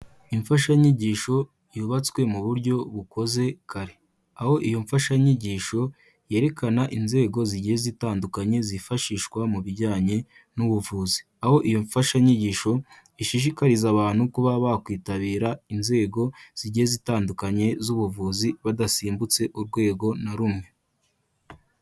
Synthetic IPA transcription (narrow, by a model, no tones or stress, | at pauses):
iɱfaʃaɲiɟiːʃo̞ | juːβat͡swe̞muβuɾɟo̞βuko̞ze̞kʰaɾe̞ | aho̞ʔijo̞ɱfaʃaɲiɟiːʃo̞ | je̞ɾe̞kanaʔinze̞ːɡo̞ziɟiezitaːndukaɲe̞zifaʃiːʃkwamuβiɟaːɲe̞ | nuβuvuːzi̥ | aho̞ʔijo̞ɱfaʃaɲiɟiːʃo̞ | iʃiʃ̬ikaɾizaβaːn̥hukuβaβakwiːtaβiːɾainze̞ːɡo̞z̥iɟiezitaːndukaɲe̞zuβuvuːziβadasiːmbut͡se̞ʔuɾɡwe̞ːɡo̞naɾumŋe̞